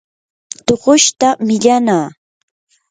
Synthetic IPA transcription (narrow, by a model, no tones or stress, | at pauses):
t̪oɢʊʃt̪amɪʎanaː